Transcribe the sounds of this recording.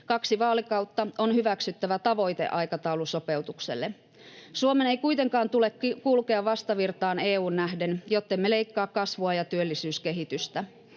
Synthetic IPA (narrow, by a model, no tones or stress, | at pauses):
kɑksiʋɑːlikɑut̪ːɑonhyʋæksyt̪ːæʋæt̪ɑʋo̞jt̪ḛʔɑjkɑt̪ɑuluso̞pe̞wt̪uksḛlːe | suomeneikuit̪e̞ŋkɑːnt̪ulekkulkeɑʋʋɑst̪ɑʋirt̪ɑːneːuːnːæhde̞njot̪ːemːeleijkːɑːkkɑsʋoɑjɑt̪yølːisyːske̞ɦit̪yst̪æ